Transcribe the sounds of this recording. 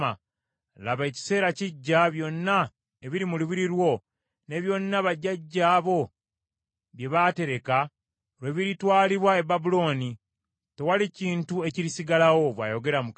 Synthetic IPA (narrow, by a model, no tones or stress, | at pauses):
a | laβe̞ːci̥se̞ːɾaciɟːaβjo̞nːa | e̞βiɾimuluβiɾiɾwo̞ | ne̞βjo̞nːaβaɟːaɟːaːβo̞ | βje̞βate̞ɾe̞ka | oɾweβiɾitwaːliβwae̞babulo̞ːni | te̞waliciːntue̞ciɾisiɡalawo̞βwa̰ːjo̞ɡe̞ɾamuk